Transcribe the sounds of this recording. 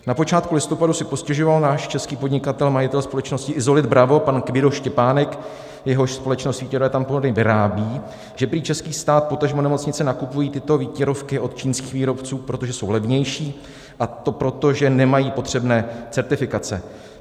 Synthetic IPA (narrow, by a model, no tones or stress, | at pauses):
napo̞t͡ʃaːt̪kulɪst̪o̞padusɪpo̞scɛʒo̞valnaːʃt͡ʃɛskiːpodɲɪkat̪ɛlmajɪt̪ɛlspo̞lɛt͡ʃno̞scɪʔɪzo̞lɪd̪bɾavo̞pankvɪdoʃcɛpaːnɛk | jɛɦo̞ʃspo̞lɛt͡ʃnost̪viːcɛɾvɛt̪amponodɲɛvɪɾaːbiː | ʒ̥ɛpɾiːt͡ʃɛskiːst̪aːt̪̚po̞t̪aʒmonɛmot͡sɲɪt͡sɛnakupujiːt̪ɪt̪o̞viːcɛɾofkɪʔo̞t̪t͡ʃiːnskiːxviːɾo̞pt͡suːpɾot̪o̞ʒɛso̞wlɛvɲɛjʃiː | ʔat̪o̞pɾot̪o̞ʒɛnɛmajiːpo̞t̪r̝̥ɛbnɛːt͡sɛɾt̪ɪfɪkat͡sɛ̰